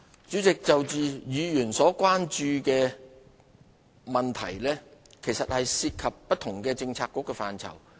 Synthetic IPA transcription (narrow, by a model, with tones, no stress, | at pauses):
t͡syː˨˥t͡sɪ˨k̚t͡sɐ˨wt͡siː˨˧jyː˨˧jyː˨˩nsɔː˨˥kʷaː˥nt͡ʃyː˧kɛː˧ | mɐ˨nt̪ʰɐ̰˨˩jlɛː˥kʰe˨˩jsɐ˨t̚hɐ˨jsiː˧t̚kʰɐ˨pːɐ˥t̪ʰʊ˨˩ŋkɛː˧t͡sɪ˧ŋt͡sʰaː˧kːʊ˨˥kːɛː˧faː˨nt͡sʰɐ̰˨˩w